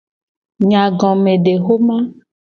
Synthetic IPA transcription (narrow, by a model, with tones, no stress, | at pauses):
ɲã˨ɡɔ̃˨mẽ˨ɖe˨ɣo˦mã˦